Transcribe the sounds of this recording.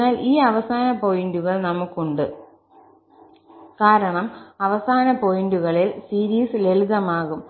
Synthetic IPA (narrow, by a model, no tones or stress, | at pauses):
aːlʔiːɐʋɐsaːnɐpo̞jinduɣɐɭnɐmukːuɳɖɨ | kaːɾɐɳɐmɐʋɐsaːnɐpo̞jinduɣɐɭilsiːɾiːsɨleluðɐmaːɣum